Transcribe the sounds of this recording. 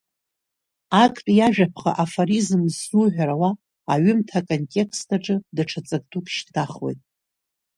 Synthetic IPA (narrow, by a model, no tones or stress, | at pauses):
akʰʼtʼjaʒᶣapʰχa̰ʔafoɾizmzuʕʷᶣaɾawaː | ɥʏmtʰakʼo̞ntʲʼe̞kʰstʰaʈ͡ʂʼɨdaʈ͡ʂʰat͡sʼak̚ʼtʰukʼʃtʰaχwo̞̰jtʼ